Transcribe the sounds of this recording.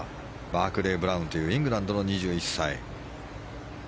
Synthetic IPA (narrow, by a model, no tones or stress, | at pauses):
baːkɯ̟ɾe̞ːbɯ̟ɾaɯ̃nt̪o̞jɯ̟ːĩŋɡɯ̟ɾãnd̪o̞no̞ɲ̟iʑɨːisːaḭ